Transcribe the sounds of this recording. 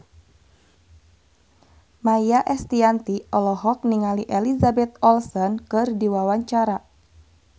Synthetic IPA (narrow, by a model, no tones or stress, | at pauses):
majaʔɛst̪iant̪iʔɔlɔɦɔk̚niŋaliʔelizabɛt̪ɔlsɔnkɨrdiwawaɲt͡ʃaɾa